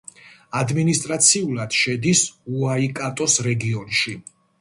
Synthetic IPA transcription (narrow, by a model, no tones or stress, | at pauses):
ad̪minist̪ʼɾat̪sʰiulad̪̥ʃɛd̪isuaikʼat̪ʼɔsɾɛɡiɔnʃi